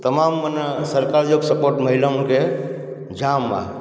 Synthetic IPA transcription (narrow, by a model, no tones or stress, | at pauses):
t̪əmaːmːənsəɾkaɾd͡ʒoksəpoːɾʈməɦilamʊnkʰe | d͡ʒaːmːã̰